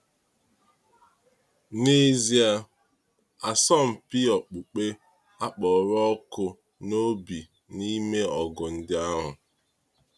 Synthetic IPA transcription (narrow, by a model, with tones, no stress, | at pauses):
ne˦zi˦a˦ | a˨sɔ˦m̩˨pi˦ɔ˨k͡pu˨k͡pe˦ | a˦k͡pɔ˨ɾɔ˦kʊ˦ | no˦bi˨ | ni˦me˦ɔ˨ɡʊ˨n̩˦dɪ˦a˦ɦʊ˨